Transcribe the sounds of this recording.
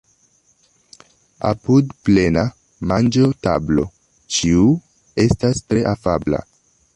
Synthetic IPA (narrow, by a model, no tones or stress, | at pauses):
a̰pudple̞na | mand͡ʒota̰blo̞̰ | t͡ʃiu | e̞stastɾe̞ʔafabla̰